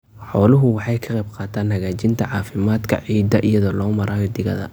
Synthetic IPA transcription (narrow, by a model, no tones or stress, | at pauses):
ħɔːlʊɦʊwɑħɑjkʰɐqɑjbqɑːt̪ʰaːnhɐɣaːt͡ʃɪnt̪ʰɐʕɑːfɪmaːd̪kʰɐ̰ʕiːd̪ɐʔijɐðɔːlɔːmɐɾaːjɔd̪ɪɣɐ̰ðɐ̰